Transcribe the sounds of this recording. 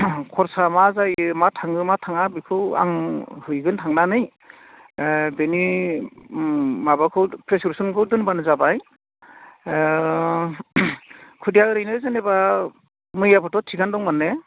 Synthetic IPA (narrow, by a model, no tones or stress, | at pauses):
kʰɔɾsamazajmatʰaŋɯmatʰaŋabikʰɯwa̰ŋhɯjɡɯntʰaŋnanɯj | beni | mabakʰɯwpʰɾesuɾsunkʰɯwdɯnbanɯzabaj | kʰudijaɾɯjnɯzaneba | mɯjapʰɯtɔtʰiɡandɔŋmanːe